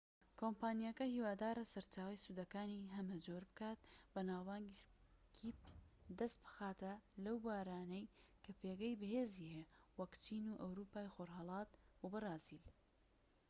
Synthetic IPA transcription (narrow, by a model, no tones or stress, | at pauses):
kʰoːmpaːnijɐkɐhiːwaːd̪aːɾɐsɐɾt͡ʃaːwɐjsud̪ɐkaːniɦɐmɐd͡ʒoːɾbɨkaːt̪̚bɐnaːwbaːŋɡiskʰiːp̚d̪ɐst̪̚bɨ̥xaːt̪ɐlɐwbaːɾaːnɐjkʰɐpʰeːɡɐjbɨheːziːhewɐkt͡ʃiːnuʔɐwɾuːpaːjxoɾɦɑlˠɑːt̪bobɨrɑːzil